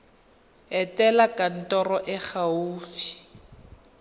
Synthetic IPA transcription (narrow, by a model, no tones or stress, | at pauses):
ɛtɛlakan̩tɔrɔʔɛk͡xʰauːfi̥